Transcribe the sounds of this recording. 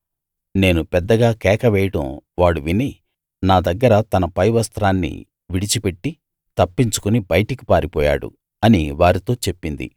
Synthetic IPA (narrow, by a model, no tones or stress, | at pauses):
ne̞ːnupɛd̪ːɐɡaːkɛːkɐʋɛːjɐʈɐ̰mʋaːɽuʋini | naːd̪ɐɡːɐɾɐt̪ɐnɐpɐjʋɐst̪ɾaːnːḭ | ʋiɽit͡ʃipe̞ʈːi | t̪ɐpːiɲt͡ʃu̥kunibɐjɐʈɐki̥paːɾipɔːja̰ːɽṵ | ɐniʋaːɾit̪o̞ːt͡ʃe̞pːind̪ḭ